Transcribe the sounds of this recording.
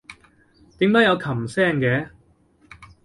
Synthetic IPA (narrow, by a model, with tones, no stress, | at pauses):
t̪iː˨˥mt̪ɐ˨˥jɐ˨˧wkʰɐ˨˩msɛː˥˩ŋkɛː˨˥